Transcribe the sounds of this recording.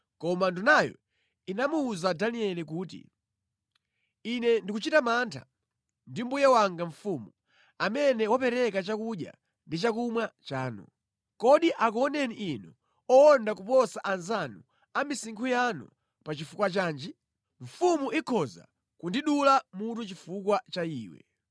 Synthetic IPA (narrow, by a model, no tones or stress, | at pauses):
kɔmandunajɔ̰ | inamuːzadaniɛlik̬uːtḭ | inɛndikut͡ʃitamaːntʰa̰ | ndim̩bujɛwaŋɡaɱfumu | amɛnɛwapɛɾɛkat͡ʃakuɗja̰ | ndit͡ʃakumwat͡ʃaːnṵ | kɔɗiʔakɔnɛniʔinu | ɔːndakupɔsaʔanzanu | amisiŋkʰujanṵ | pat͡ʃifukwat͡ʃaːnd͡ʒɛ | ɱ̩fumuikʰɔza̰ | kundiɗulamut̬ut͡ʃifukwat͡ʃaiːwɛ̰